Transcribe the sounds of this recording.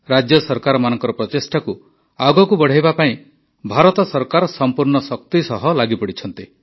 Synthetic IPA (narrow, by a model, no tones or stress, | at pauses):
ɾad͡ʒjɔsɔɾkaɾɔmanɔŋkɔɾɔpɾɔt̪esʈaku | aɡɔkubɔɽ̤ajbapaĩ | bʱaɾɔt̪ɔsɔɾkaɾɔsɔmpuɾɳɔsɔk̚t̪isɔɦɔlaɡipɔɽit͡ʃʰɔnt̪i